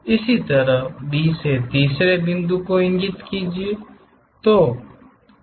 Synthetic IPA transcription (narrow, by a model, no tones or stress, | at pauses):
ɪsit̪əɾəbiːset̪iːsɾebɪ̃nd̪ukoɪ̃ŋɡɪt̪kiːd͡ʒie | t̪oː